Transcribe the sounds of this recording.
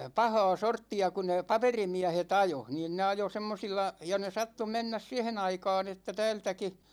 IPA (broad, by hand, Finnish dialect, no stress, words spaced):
pɑhɑː sortːiɑ ku ne pɑperimiæhet ɑjo niːn ne ɑjo semːosilːɑ jɑ ne sɑtːu menːæs siɛhen ɑikɑːn etːæ tæːltæki